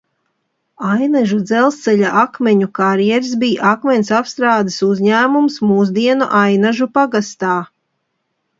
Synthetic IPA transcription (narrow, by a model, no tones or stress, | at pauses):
ajnaʒud̪zɛlˠst̪sɛʎaʔakmʲɛɲukaɾjɛɾs̬biːʔakmʲɛnʲsapst̪ɾaːd̪ɨsuzɲæːmumsmuːzd̪iɛnuʔajnaʒupaɡast̪aː